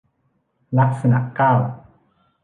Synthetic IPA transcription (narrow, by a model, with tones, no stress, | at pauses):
la˦˥k̚sa˧na̰˨˩kaː˥˩w